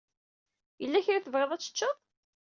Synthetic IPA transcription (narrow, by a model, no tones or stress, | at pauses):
jəlːæçɾæθəvʁeðˤæt͡sːə̥t͡ʃːəðˤ